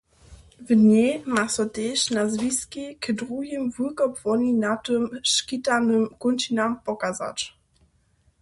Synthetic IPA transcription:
vɲemasɔt̪ɛʃnazvʲiskʲikədʁuɦimvukɔpvɔnʲinat̪ɨmʃkʲitanɨmkunt͡ɕinampɔkaza̰t͡ɕ

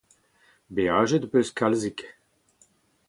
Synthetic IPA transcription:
beaʒed̪pøskalzik

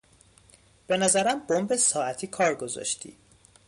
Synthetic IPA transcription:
b̥e̞næzæɾæmbombesɒːæt̪ʰiːkʰɒːɾɡozɒ̰ʃt̪ʰḭː

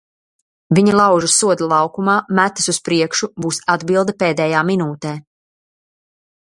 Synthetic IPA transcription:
viɲalˠɑwʒusuɔd̪alˠɑwkumaːmæt̪ːɨ̥suspɾiɛkʃubuːsad̪bilˠd̪apeːd̪ɛjaːminuːt̪ɛː

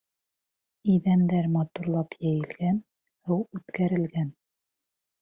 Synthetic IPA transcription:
iðænd̪æɾmɑt̪uɾlˠɑpjæjɘ̆lɡæn | hɤwʉt̪kæɾɘ̆lɡæn

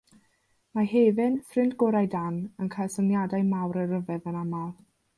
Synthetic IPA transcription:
mahɛvɪnfrɪndɡɔɾajdanənkʰajlˠsənjadajmawɾəɾəvɛvənamalˠ

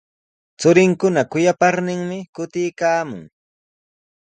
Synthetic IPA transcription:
t͡sʊɾɪŋkʊnakʊjapaɾnɪŋmɪkʊt̪ɪjkaːmʊ̰ŋ

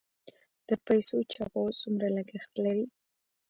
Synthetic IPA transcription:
d̪̥əpajsot͡ʃɑpazumɾaləɡəxt̪laɾi

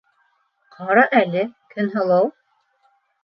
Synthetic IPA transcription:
qʰɑɾɑʔælɘkʰɵ̆nɦɤ̆lˠɤw

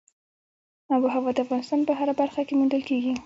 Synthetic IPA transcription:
abuɦawɑd̪əafɣɑnɪst̪ɑnpəɦaɾabaɾxakemuɳdəlkeɡi

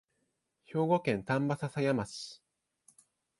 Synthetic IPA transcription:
ço̞ːɡo̞kẽ̞nt̪ãmbasasajamasɨ̥

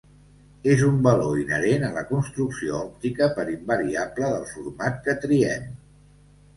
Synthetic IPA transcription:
ezumbəloinəɾenələkunst̪ɾuksioɔp̚t̪ikəpəɾimbəɾiabləðəlˠfuɾmat̪kət̪ɾiɛm

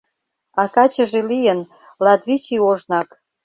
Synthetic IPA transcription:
ɑkɑt͡ɕəʒelijən | lɑt̪βit͡ɕioʒnɑk

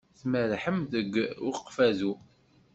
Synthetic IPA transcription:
θməɾħəmðəɡːʊqːfæzu

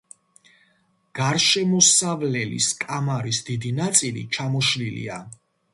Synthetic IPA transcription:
ɡ̥aɾʃɛmɔsavlɛlḭskʼamaɾisd̪id̪inat̪sʼilḭt͡ʃʰamɔʃlilḭa

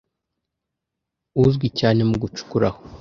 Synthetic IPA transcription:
uzɡwicaːne̞muɡut͡ʃu̥kuɾaho

